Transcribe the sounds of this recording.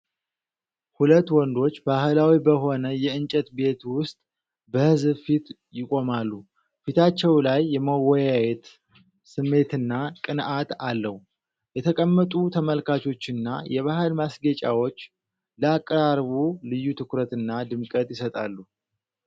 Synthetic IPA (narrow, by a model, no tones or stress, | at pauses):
hulət̪ːwɔnd̪o̞t͡ʃːbahɨlawibəɦo̞nəjɛɨnt͡ʃʼɛt̪be̞t̪wʊst̪ʼ | bəhɨzbfit̪ | jɪkʼo̞malːu | fit̪ʰat͡ʃːɛwlajːɛməwɔjajɛt̪ | sɨmːe̞t̪ɨnːakʼɨnʔat̪alːəhu | jɛt̪ʰəkʼəmːət̪ʼut̪ʰəməlkʰat͡ʃʰo̞t͡ʃːɪnːa̰jɛβahɨlmasɡət͡ʃʼa̰wo̞t͡ʃː | ləakʼːəɾaɾβulɨjːut̪ʰɨkɾət̪ɨnːad̪ɨmkʼət̪jɪsət̪ʼalːu